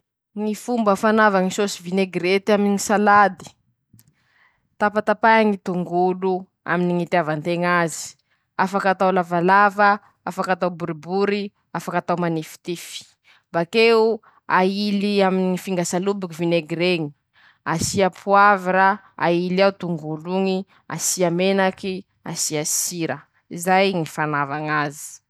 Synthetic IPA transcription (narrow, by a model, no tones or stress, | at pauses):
ŋifumbəfanavaŋisosivineɡɾet̪iamiŋisalad̪i̥ | t̪apat̪apaaŋit̪uŋɡulu | a̰miniŋit̪iavant̪eŋazi̥ | afakat̪awlavalavə | afakat̪awbuɾibuɾi | afakat̪awmanifi̥t̪ifi̥ | bakeu | ailiaminiifiŋɡasalubikivineɡɾeŋi̥ | asiapʰuaviɾa | a̰iliawt̪uŋɡuluŋi | a̰siamenaki | a̰siasiɾə | izajŋifanavaŋazi̥